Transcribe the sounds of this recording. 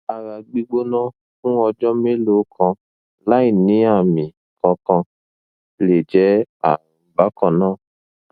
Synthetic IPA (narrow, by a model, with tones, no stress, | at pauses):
a˨ɾa˨ɡ͡bi˦ɡ͡bo˦nã˦ | kũ˦ɔ˧d͡ʒɔ˦me˦lo˨˦kʰɔ̃˧ | la˨˦i˦˨nĩ˨˦a˦˨mĩ˨ | kɔ̃˨˧kɔ̃˧ | le˨d͡ʒɛ˨˦a̰˨ba˨˦kɔ̃˧˨nãː˦˨